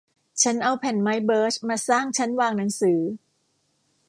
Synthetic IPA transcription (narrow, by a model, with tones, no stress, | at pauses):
t͡ɕʰa˦˥nʔa˧wpʰɛ˨˩nma˦˥jbɤː˦˥t͡ɕmaː˧saː˥˩ŋt͡ɕʰa˦˥nwaː˧ŋna˩˦ŋsɯː˩˦